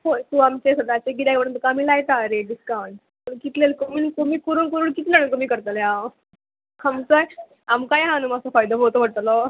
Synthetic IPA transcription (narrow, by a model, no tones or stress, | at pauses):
hot̪uamt͡ɕesəd̪at͡ɕeɡid̪akpəɾənt̪ukaːmiːlajt̪aːɾeɖiskawɳɖ | ənkit̪lelkomiːnkomiːkuɾuːnkuɾuːɳkit̪lenənkomiːkəɾt̪əlja | kʰamt͡soaj | amkajɦãnumasafajd̪əɦot̪oʋəɽt̪lo